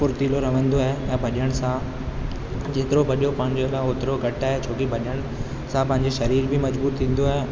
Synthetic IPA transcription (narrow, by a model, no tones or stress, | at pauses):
pʊɾt̪iːloɾɐʋə̃nd̪oaːɦeɛ̃ːbʱɐɗiəɽ̃sã | d͡ʑeːt̪ɪɾobʱɐɗijopɐ̃ɦɪ̃ɲd͡ʑoloːt̪ɪɾoɡʱɐʈaːɦet͡ɕʰoːkibʱɐɗəɽ̃ | sãpɐ̃ɦɪ̃ɲd͡ʑeʃɐɾiːɾbɪmɐd͡ʑbuːɾt̪ʰĩːn̆d̪oaɦe